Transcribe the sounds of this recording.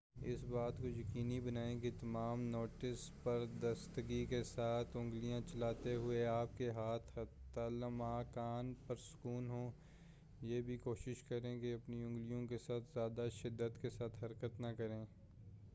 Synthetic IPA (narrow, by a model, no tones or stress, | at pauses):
ɪ̰sbaːt̪kojɐkiːnibɐnaːẽkit̪ɐmaːmnoːʈɪspɐɾd̪ɐst̪ɡikesaːt̪ʰʊ̃ŋɡlijãt͡ʃɐlaːt̪eɦʊeaːp̚keɦaːt̪ʰhɐt̪aləmaːkaːnpɐɾsʊ̥kuːnɦõː | jeːbʱikoːʃɪʃkɐɾẽkeɐpniʊ̃ŋɡlijõkesaːt̪ʰzjaːd̪aʃɪd̪ːət̪kesaːt̪ʰɦɐɾkət̪nɐkɐɾẽː